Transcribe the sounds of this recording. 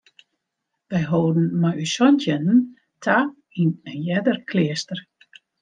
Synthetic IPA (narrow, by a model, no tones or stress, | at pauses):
ʋɛjɦoːdən̩majysɔntʰjɛnən̩ | tʰa | inɛnjɛdərkʰlɪəstər